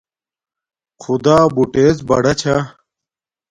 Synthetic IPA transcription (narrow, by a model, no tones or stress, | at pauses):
xud̪aːbuʈeːzbɐɽɐt͡ɕʰa